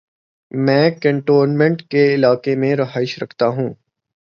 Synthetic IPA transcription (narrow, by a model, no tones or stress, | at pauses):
mɛ̃ːkə̃ɳʈoːɾnmɛ̃ɳʈkeɪlaːkemẽɾɐɦaːɪʃɾɐkʰt̪aɦũː